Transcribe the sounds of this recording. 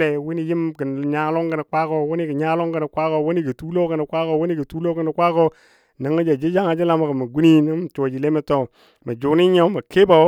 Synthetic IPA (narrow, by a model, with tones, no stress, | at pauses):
le˨wi˦ni˦ji˦mki˨ɲa˦lo˦ŋkə˨ni˨kʷa˦ko˦˨wu˦ni˦ki˨ɲa˦lo˦ŋkə˨ni˨kʷa˦ko˨wu˦ni˦ki˨tu˦lo˦kə˨ni˨kʷa˦ko˨wni˦kə˨tu˦lo˦kə˨ni˨kʷa˦ko˦ | ni˨ŋa˦d͡ʒa˨d͡ʒe˦d͡ʒa˦ŋa˨d͡ʒi˦la˦ma˨kə˨ma˨ɡu˦ni˦ni˦ŋ˦m˨t͡ʃo˨d͡ʒi˨le˦me˦to˨ | mə˨d͡ʒu˨ni˦ɲa˦ma˨ke˦ba˨˦